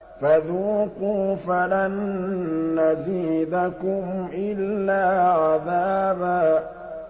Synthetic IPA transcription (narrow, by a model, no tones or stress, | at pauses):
faðuːqufalanː | aziːd̪akʊmʔɪlːaːʕaðaːbaː